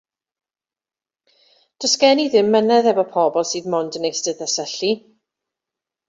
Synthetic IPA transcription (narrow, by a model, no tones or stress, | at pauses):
d̥ɔskɛniðɪmːənɛðɛvɔpʰɔbɔlˠsiːðmɔndənejsdəðasəɬi